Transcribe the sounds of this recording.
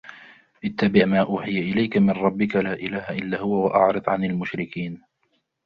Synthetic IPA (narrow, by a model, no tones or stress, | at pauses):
ʔɪt̪ːabɪʕmaːʔuːħɪjaʔɪlajkamɪnɾˤɑbːɪkalaːʔɪlaːhaʔɪlːaːhʊwawaʔɑ̰ʕɾɨd̪ˤʕanalmʊʃɾɪkiːn